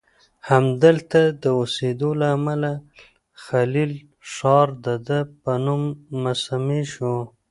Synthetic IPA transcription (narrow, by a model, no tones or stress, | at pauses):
hamd̪əlt̪ad̪əosed̪olaːmala | xalil | ʂɑɾd̪ad̪əpənumːasamiʃo